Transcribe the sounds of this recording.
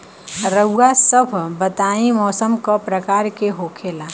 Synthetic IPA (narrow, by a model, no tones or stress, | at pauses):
ɾəuːasəbʱbət̪aːimɔːsəmkɔpɾəkaːɾkeɦokʰeːla